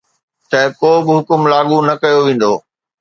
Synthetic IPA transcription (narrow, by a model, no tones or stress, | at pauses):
t̪ɐkoːbɪɦʊkʊmlaːɠunɐkɐjoʋẽːn̆d̪oː